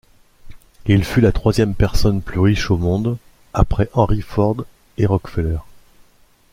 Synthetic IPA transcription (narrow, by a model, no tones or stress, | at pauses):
ilfylat̪χwazjɛmpɛʁsɔnplyʁiʃomɔ̃d̪ | apχɛʔɑ̃ʁifɔʁd̪ | eʁɔkfɛlœʁ